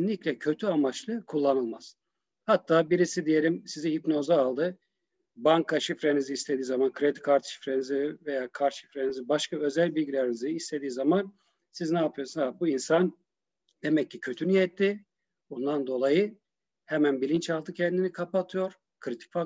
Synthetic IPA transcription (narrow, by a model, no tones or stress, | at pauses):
nlʲiclʲɛcʰø̞t̪ʰyamat͡ʃlˠɯkʰulˠːanɯlˠmaz̥ | hat̪ːaːbiɾisid̪ije̞lʲimsiziɦipno̞zaːlˠd̪ɯ | baŋkʰaʃifɾeniziːst̪ʰe̞d̪iːzamankʰɾed̪i̥kʰaɾt̪ʃi̥fɾenizive̞jaːkʰaɾt̪ʃifɾenizibaʃkaø̞zælʲbilʲɟilʲeɾiniziist̪ʰe̞d̪iːzaman | siznaːpʰɯjosunabuinsan | d̪e̞mɛcːicʰø̞t̪ʰynyjɛt̪ːi | bund̪and̪o̞lˠajɯ | hɛmænbilʲint͡ʃalˠd̪ɯcʰɛnd̪inikʰapat̪ʰɯjo̞ɾ̥ | kʰɾit̪ʰi̥kfa